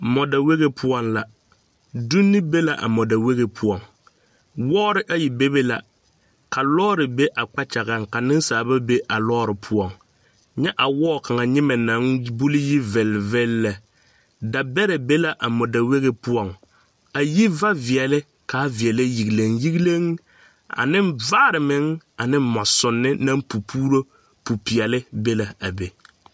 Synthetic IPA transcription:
mɔ˨da˨we˦ɣe˦pʰʊ˦ɔ˦nla˨ | du˦nːɪ˦be˦la˨ʔa̰˨mɔ˨da˨we˦ɣe˨pʰʊ˦ɔ˨ŋ | wɔː˦ɾɪ˦ʔa˦ji˨be˦be˦la̰˨ | ka˨lɔː˦ɾɪ˨be˦ʔa˨k͡pa˦t͡ʃa˨ɣa˨ŋka˨nɪ˦n˦saː˨ba˦be˦ʔa˨lɔː˦ɾɪ˨pʰʊ˦ɔ˨ŋ | ɲɛ˦ʔa˨wɔː˦˨ka˨ŋa˨ɲɪ˦mɛ˨na˨˦ŋbu˦lɪ˦ji˦vɛ˨lvɛ˦lːɛ˨ | da˨bɛ˦ɾɛ˨be˦la˨ʔa˨mʊ˨da˨we˦ɣe˦pʊ˦ɔ˨ŋ | a˨ji˦va˦vi˨ɛ˨lɪ˦ | ka˨˦vi˨ɛ˨lɪ˦ji˨ɡi˨le˨ŋji˦ɡle˦ŋ | a̰˨nɪ˦nvaː˦ɾɪ˨mɪ˨˦ŋa˨nɪ˦mmɔ˨sʊ˨nːɪ˦na˦ŋpu˨pʰuː˦ɾo˦ | pu˨pi˨ɛ˨lɪ˦be˦la˨a˨be˨

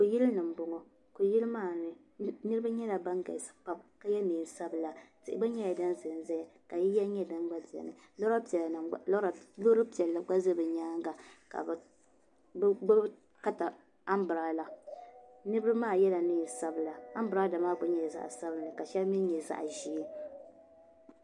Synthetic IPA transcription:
ko˨ji˦lnɨ˨m̩˨˦bʊ˨˦ŋɔ˦ | ko˨ji˦lɨ˦maː˦˨nɨ˦ | nɨ˦ɾɨ˦ba˦ɲɛ˦la˨ba˦ŋɡa̰˨sɨ̥˨pa˦bka˦jɛ˦niː˨n˨sa˦bɨ˨la˨tɨ˨ʔɪ˨ba˦ɲɛ˦ja˨da˦nzɨ˨n˦za˦ja˨ka˨ji˦jɛ˦ɲɛ˦dɨ˦n˦ɡ͡ba˦di˨ɛ̰˨nɨ˨ | lo˦ɾa˦pllo˦ɾpi˨ɛ˨lːa˨ɡ͡ba˦zɨ˦bɨ˨ɲaː˦ŋɡa˨ka̰˨b | bɡ͡ba˦ | ka˦ta˨ | a˦mbɨ˨ɾa˨˦la˨ | nɨ˦ɾɨ˦bɨ˦maː˦˨jɛ˦la˨niː˨˦˨n˨sa˦bɨ˨la˨a˦m˦bɾa˦da˨maː˦ɡ͡ba˦ɲɛ˨za̰˨ʔsa˦bɨ˨nɨ˨ka˨ʃɛ˦lmi˦ɲɛ˨za̰˨ʔʒi˦

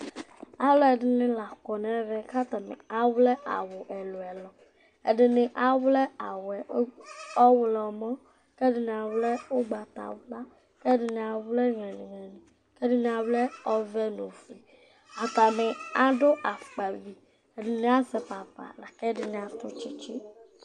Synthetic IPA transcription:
a˦lɔ˦ɛ˨ɖɪ˨nɪ̃˦la˨kɔ˨nɛ̃˦vɛ˦ka˦t̪a˨mḛ̃˨a˨wlɛ˦ʔa̰˨wo˨ʔɛ˨lo˨ɛ˨lɔ˨ | ḛ˦ɖɪ˨nɪ̃˨ʔa˨wlɛ˦a˨wɛ˨˦ɔ˦wlɔ˨mɔ̃˦ | kɛ˦dɪ˨n˨a˨wlɛ˦wo˦ɡ͡ba˨t̪a̰˨wla˦ | kɛ˦dɪ˨nɪ̃˨a˨wle˦ŋlɛ̃˨nĩ˨ŋɛ˨nĩ˨ | kɛ˦dɪ˦n˦a˨wle˦ɔ˦vɛ˦nũ˨fi˨ | a˨t̪a˨me˨a˦ɖo˦ʔa˨k͡pa˨vi˨ | e˨ɖɪ˨nɪ̃˦a˦sɛ˨pa˨pa̰˨la˨kɛ˦dɪ˨nɪ̃˨a˨t̪ʊ˦t͡ʃi˦t͡ʃi˦

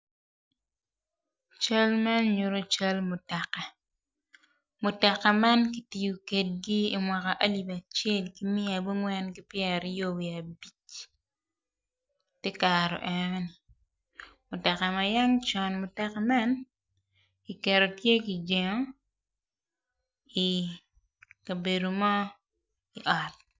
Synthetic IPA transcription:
t͡ʃa˦lma˦nɲu˨ɾo˦t͡ʃa˦lmʊ˨ta˨kːa˨ | mʊ˨ta˨kːa˨ma˦nki˨ti˨ju˨ke˨t̚ɡɪː˦˨mwa˨ka˨ʔa˦li˨ba˨t͡ʃjɛ˦˨lki˦mɪ˦a˨bu˦ŋwɛ˦nɡɪ˦pjɛ˨ɾɪ˦jo˦˨wi˨a˨bi˦t͡ʃ | te˦ka˨ɾɔ̰˨ʔɛn˦ni˨ | mʊ˨tɛ˨ka˨ma˨ja˦ŋt͡ʃɔ˨nmʊ˨tɛ˨ka˨ma˦n | ki˨kɛ˨ɾo˨tje˦ki˨d͡ʒe˨ŋo˦ | i˨ | ka˨be˨do˨mɔ˦ | i˨ʔɔ˨t̚

